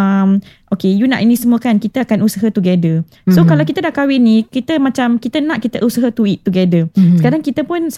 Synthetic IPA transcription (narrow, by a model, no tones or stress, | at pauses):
əmʔokejunã̰ʔinĩsəmuəkankit̪əakanusəɦət̪uɡedə | sokalawkit̪ədaʔkawɪnikit̪əmãt͡ʃamkit̪ənãʔkit̪əʔusəɦət̪uit̪ːuɡedəsə̥kaɾaŋkit̪əpʊns